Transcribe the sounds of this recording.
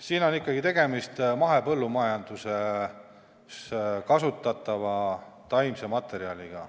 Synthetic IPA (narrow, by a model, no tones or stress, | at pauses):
siːno̞nikːˑɑɡ̥it̪e̞ɡe̞mist̪mɑɦe̞pɤ̞lːumɑjɑnd̪̥use̞ | skɑsut̪ːˑɑt̪ːˑɑvɑ | t̪ɑjmse̞mɑt̪ˑe̞ɾiɑliɡ̥ɑ̰